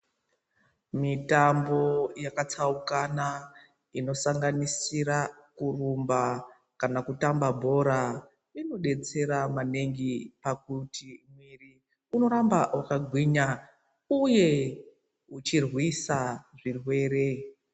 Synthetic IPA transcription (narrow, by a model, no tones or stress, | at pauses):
mitambo̞jakat͡saukana | ino̞saŋɡanisiɾakurumba | kanakutambabʱo̞ɾa | ino̞ɗe̞t͡se̞ɾamane̞ŋɡipakutimwiri | uno̞ɾambawakaɡʱwiɲa | uje̞ | ut͡ʃirwisaʐirwe̞ːɾe̞